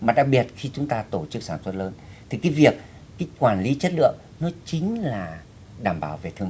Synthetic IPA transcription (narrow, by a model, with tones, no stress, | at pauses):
maː˨˩ɗaː˨˧˩k̚ɓi˨˩ət̚xi˧t͡ɕʊ˨˦ŋ͡mt̪aː˧t̪o˧˩t͡ɕɨ˦˥k̚saː˧˩nswə˦˥t̚ləː˨˧˦nt̪ʰi˨˩kaː˨˦jvi˨˩ək̚ː | aː˨˦kwaː˧˩nli˨˦t͡ɕə˦˥t̚lɨ̰˧˨əŋ | nɔ˨˦t͡ɕï˨˦ŋ̟laː˨˩ | ɗaː˧˩mɓaː˧˩wve˨˩t̪ʰɨ˧əŋm˨